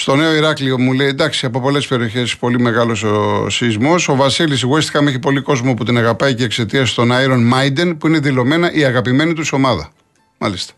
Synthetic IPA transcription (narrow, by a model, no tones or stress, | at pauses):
st̪o̞ne̞o̞iɾɐkliomule̞jnd̪ɐksiɐpo̞po̞le̞spe̞ɾio̞çe̞spo̞lime̞ɣɐlo̞so̰sizmo̞so̞vɐsilis̬iɣoist̪i̥kɐmue̞çipo̞liko̞zmoput̪inɐɣɐpɐicekse̞t̪iɐst̪o̞nɐiɾo̞nmɐjd̪enpuine̞ðilo̞me̞nɐʔiɐɣɐpime̞nit̪uso̞mɐðɐ̰ | mɐ̰list̪ɐ̥